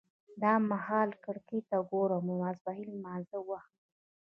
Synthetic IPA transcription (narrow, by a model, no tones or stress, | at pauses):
d̪ɑmahɑːlkəɽkit̪aɡoɾomumazbaɦilmanzəwax